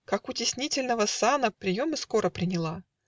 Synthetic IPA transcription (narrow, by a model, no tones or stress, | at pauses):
kakʊtʲɪsʲnʲitʲɪlʲnəvəsanəpɾʲɪjo̞mɨsko̞ɾəpɾʲɪnʲɪlˠa